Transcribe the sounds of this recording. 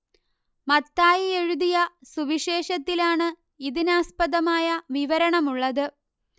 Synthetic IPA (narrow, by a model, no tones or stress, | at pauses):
mɐt̪ːaːjie̞ɻuðijɐsuʋiɕe̞ːʂɐt̪ːilaːɳɨ | iðinaːspɐðɐmaːjɐʋiʋɐɾɐɳɐmuɭːɐðɨ